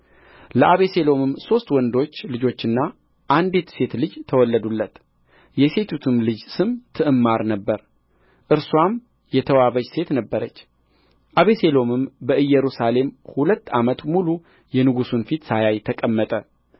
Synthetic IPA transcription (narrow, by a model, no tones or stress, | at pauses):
ləʔaβe̞se̞lo̞mɨmso̞st̪wɔnd̪o̞t͡ʃːlɨd͡ʒo̞t͡ʃːɨnːa | ʔand̪et̪se̞t̪lɨd͡ʒt̪ʰəwɔlːəd̪ulːət̪ | jɛse̞t̪ʰut̪ʰɨmlɨd͡ʒsɨmt̪ʰɨʔɨmːaɾnəbːəɾ | ʔɨɾswam | jɛt̪ʰəwaβəd͡ʒse̞t̪nəbːəɾət͡ʃː | ʔaβe̞se̞lo̞mɨmbəʔɨjːɛɾusale̞mhulət̪ːamət̪mulu | jɛnɨɡusunfit̪sajajt̪ʰəkʼəmːət̪ʼə